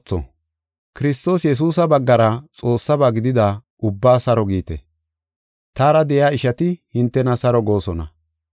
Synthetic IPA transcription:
t͡sːɔ̰ | kɪɾɪst̪o̞ːsjɛs̬uːsɐbɐɡːɐɾɐt͡sʼo̞ːsːɐbaːɡɪd̪ɪd̪a | ʊbːaːsɐɾɔɡiːt̪ɛ̰ | t̪aːɾɐd̪ɛʔjaːɪʃɐt̪ɪhɪnt̪ːɛnɐsɐɾɔɡo̞ːsɔnɐ̰

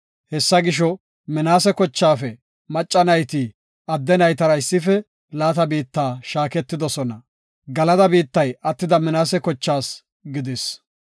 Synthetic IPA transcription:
hɛsːɐɡɪʃɔ | mɪnaːsɛkɔt͡ʃːaːfɛ | mɐt͡ʃʼːɐnɐjt̪iː | ɐd̪ːɛnɐjt̪ɐɾɐɪsːɪfɛ | laːt̪ɐbiːt̪ːaːʃaːkɛt̪ːɪd̪ɔsɔnɐ | ɡɐlɐd̪ɐbiːt̪ːɐjɐt̪ːɪd̪ɐmɪnaːsɛkɔt͡ʃːaːs | ɡɪd̪ɪs

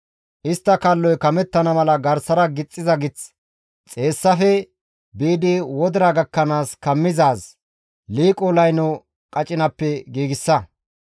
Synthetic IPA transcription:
ʔɪst̪ːɐkɐlːɔjkɐmɛt̪ːɐnɐmɐlɐɡɐɾsɐɾɐɡɪt͡sʼːɪzɐɡɪt͡s | t͡sʼeːsːɐfɛ | biːd̪ɪwɔd̪ɪɾɐɡɐkːɐnaːskɐmːɪzaːs | liːkʼolɐjnɔ | kʼɐt͡ʃʼɪnɐpːɛɡiːɡɪsːɐ

